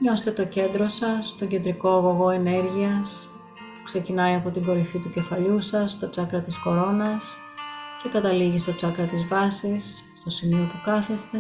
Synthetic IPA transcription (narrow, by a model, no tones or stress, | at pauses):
ɲo̞se̥t̪et̪o̞ce̞nd̪ɾo̞sɐst̪o̞ɲɟe̞nd̪ɾiko̞ɐɣo̞ɣo̞e̞ne̞ɾʝiɐs | pu̥kse̞cinɐiɐpo̞t̪iŋɡo̞ɾifit̪uce̞fɐʎusɐst̪o̞t͡sɐkɾɐt̪isko̞ɾo̞nɐs | ce̞kɐt̪ɐliʝist̪o̞t͡sɐkɾɐt̪izvɐsisːt̪o̞simio̞pukɐθe̞st̪e̞